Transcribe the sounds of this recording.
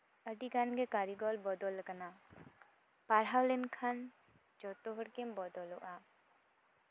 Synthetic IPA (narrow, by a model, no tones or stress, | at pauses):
əɖiɡanɡɛkaɾiɡɔlbɔd̪ɔlkana | paɾɦawlɛnkʰan | d͡ʒɔt̪oɦɔɽkembɔd̪ɔlɔʔa